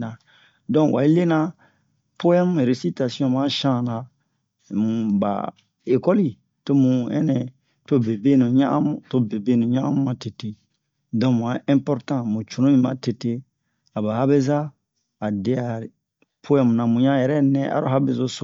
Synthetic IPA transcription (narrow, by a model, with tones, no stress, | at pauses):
nã˨ | dɔ̃˦wʔa̰˨i˦le˦nã˦ | po˦ɛ˦mu˦˨ɾe˨si˦ta˨si˦ɔ̃˦mã˦ʃã˦˨nã˨ | mũ˨ba̰˨ | e˨kɔ˦li˦˨ | to˦mũ˨ɛ̰˦nɛ̃˨ | to˦be˨be˦nũ˨ɲã̰˦ʔã̰˦mu˦to˦be˨be˦nũ˨ɲã˦ã˦mũ˦mã˨te˨te˨ | dɔ̃˦mũ˨ã˨˦ɛ̃˦mpɔ˦ɾtã˦mũ˨t͡ʃu˨ɾũ˦ĩ˦mã˨˦te˨te˦ | a˨ba˨ha˦be˦zaː˦˨ | de˦a˨ɾ | pʰo˦ɛ˦mu˨nã˨mũ˨ɲã˦˨jɛ˨ɾɛ˦nɛ̃˦ʔa̰˨ɾo˦a˦be˨zo˦so˨